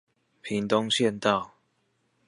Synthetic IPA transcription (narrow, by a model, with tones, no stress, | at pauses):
pʰi˨˦ŋt̪o˦ŋɕjɛ˥˨nt̪a˥˨ʊ